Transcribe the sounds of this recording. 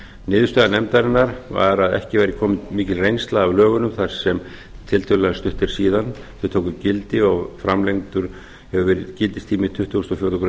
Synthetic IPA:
nɪːðʏ̥ɾst̪ɛðanɛmt̪aɾɪnːaɾva̰ɾaðɛ̰hcɪvajɾɪkʰɔːmɪt̪miːcɪlrejnst̪laðːvlœːɣʏnʏmθaɾ̥sɛm | t̪ʰɪlt̪ʰʏllast̪ʏht̪ɪɾ̥siːðanθɛt̪ʰoːwkʏcɪlt̪ɪɔɣfɾamlejŋt̪ʏɾ̥ | hɛvʏvɛːɾɪðcɪlt̪ɪst̪ʰiːmɪt̪ʰʏht̪ːuwst̪ɔfjowɾt̪ʰːkɾ

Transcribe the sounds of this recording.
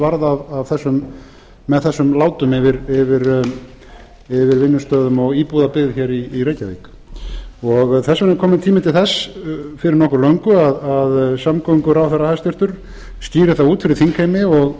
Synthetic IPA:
vaɾðavavθɛsːʏmː | ɛðθɛsːʏmlaːwt̪ʏmɪvɪɾɪvɪɾ | ɪvɪɾvɪnːʏst̪œːðʏmɔɣiːpuðapɪɣðçɛɾiːreːjcavḛːk | ɔɣθɛsːvɛnːɪkʰɔːmɪnt̪ʰiːmɪt̪ʰɪlθɛsfɪɾɪɾnɔhkʏɾlœɥŋkʏaðaðsamkœŋkʏɾawθɛɾahajst̪ɪɾ̥t̪ʏɾ̥ | st̪iːɾɪθawuːt̪fɪɾɪɾθiŋkʰejmɪɔɣ

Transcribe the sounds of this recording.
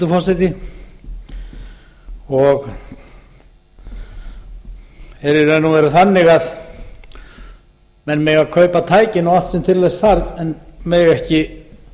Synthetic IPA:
t̪ʏfɔrsajt̪ɪ | ɔɣ | ɛɾɪɾɛnːuvɛɾaθanːɪɣað | mɛnmɛɣaðkʰœːɥpat̪ʰaːjcɪnawat̪sɛmt̪ʰɪɾlesθaɾðɛnmɛɣɛhcɪ

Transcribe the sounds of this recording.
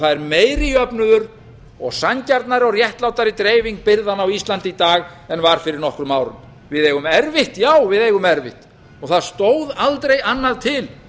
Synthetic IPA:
θaðɛɾmeːjɾɪœpnʏðʏɾ | ɔɣsaɲcaɾt̪naɾɪɔɣrjɛht̪lawt̪aɾɪt̪ɾeːjviŋk̚pɪɾðanawist̪lant̪it̪aːɣ | ɛnvaɾ̥fɪɾɪɾnɔhkɾʏmaːwɾʏ̰m | vɪðeːjɣʏmɛɾvɪht̪jaːwvɪðejɣʏmɛɾvɪ̰ht̪ | ɔɣθaðst̪oːwðalt̪ɾejanːaðt̪ʰɪl

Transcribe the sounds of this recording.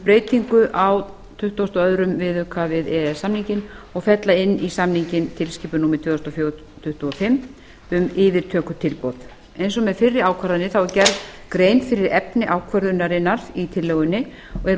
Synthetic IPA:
pɾeːjt̪iŋkʏʔaw | t̪ʰʏht̪ɔst̪ɔœðɾʏmvɪðʏːkʰavɪðɛɛsːamniɲcɪnɔɣfɛt̪laɪnːisamniɲcɪnt̪ʰɪlsciːpʏnuːmɪt̪ʰvɛːθɔst̪ɔfjo | t̪ʰʏht̪uɔfɪmː | ʏmɪːvɪɾt̪ʰœːkʏt̪ʰɪlpɔð̥ | ejnsɔmɛðfɪrːɪɾaːwkʰvaɾðanːɪθawɛɾcɛɾðkɾeːjnfɪɾɪɾɛpnɪʔaːwkʰvœɾðʏnːaɾɪnːaɾit̪ʰɪlːɛɣʏnːɪ | ɔɣɛɾ

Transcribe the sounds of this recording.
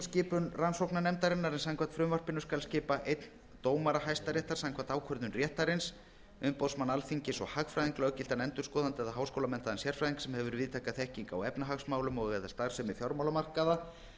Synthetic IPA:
scɪːpʏnransowknanɛmt̪aɾɛnːaɾɛnsaŋkʰvat̪fɾʏmvar̥pɪnːʏskalscɪːpaʔejt̪n | t̪oːwmaɾaɦajst̪aɾjɛːht̪aɾ̥saŋkʰvaːnt̪aːwkʰœɾðʏnrjɛːht̪aɾɪns | ʏmpoðsmanalfiɲcɪsɔɣhaxfɾajðiŋklœɣcɪl̥t̪anɛnt̪ʏɾskɔːðant̪ɪɛːðaɦaːwskowlamɛn̥t̪aðɛnsjɛr̥fɾajðiŋksɛmhɛvʏɾvɪːðt̪ʰaːkaθɛhciŋkawɛpnaɦaɣsmaːwlʏmɔɣɣɛðḁst̪aɣ̥sɛmɪfjɔɾmawlamar̥kaða

